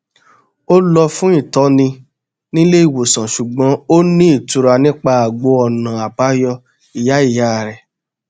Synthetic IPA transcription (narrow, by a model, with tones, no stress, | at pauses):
o˦lɔ˧fũ˦ĩ˦˨tɔ˨˦nĩ˧ | nĩ˦le˦i˦˨wo˨sã˨ʃu˨ɡ͡bɔ̃˨˦o˦nĩ˦i˦˨tu˧ɾa˧nĩ˦k͡pa˧a˨ɡ͡bo˨˦ɔ˧˨nã˨a˨ba˨˦jɔ˧ | i˨ja˨˦i˦˨ja˨˦˨ɾɛ˨